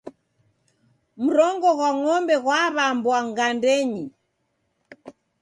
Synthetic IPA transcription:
m̩ɾɔŋɡɔɣwaŋɔmbɛɣwaβambwaŋɡandɛɲi

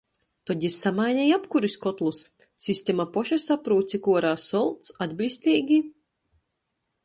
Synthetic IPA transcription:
t̪ɔɟ̪ʲisːamajnʲɛjapkuɾiskɔt̪lˠus | sʲisʲt̪ʲemapɔʃɛsapɾuːt̪sʲikuɔɾaːsɔlˠt̪sad̪ʲbʲisʲt̪ʲiːɡʲi

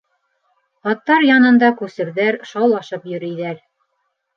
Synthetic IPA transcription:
ɑt̪ːɑɾjɑnɤ̆nd̪ɑkʉsɘ̆ɾðæɾʃɑwlˠɑʃɤpjɵ̆ɾijðæɾ

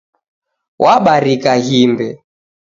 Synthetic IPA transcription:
wʔaɓaɾikaɦimbɛ

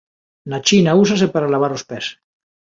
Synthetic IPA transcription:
nat͡ʃinausas̬epaɾalaβ̞aɾospes

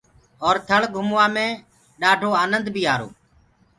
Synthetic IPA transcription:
ɔːɾt̪ʰəɭɡʱʊmʋãːmẽː | ɗaːʈʰoːaːnənd̪bʱiːaːɾo̰ː

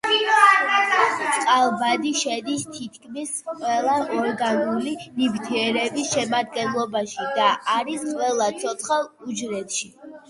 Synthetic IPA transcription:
t̪sʼqʼalˠbad̪iʃɛd̪ist̪ʰit̪̚ʰkʰmisqʼwɛlˠaʔɔɾɡanulinibt̪ʰiɛɾɛbisʃɛmad̪̚ɡɛnlˠɔbaʃid̪aʔaɾisqʼwɛlˠat̪sʰɔt̪sʰχalˠud͡ʒɾɛt̪ʃi

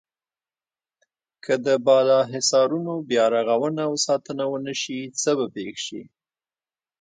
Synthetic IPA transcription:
kʰəd̪əbɑlɑɦɪsɑɾunobjɑɾaɣawənawsɑt̪ənawənəʃit͡səbapexʃḭ

